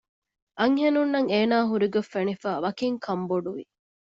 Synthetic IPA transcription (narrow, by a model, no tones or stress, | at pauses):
ʔɐŋɦenunːɐŋeːnaːɦuɾiɡefːenifaːʋɐkiŋkʰɐmboɖuʋḭ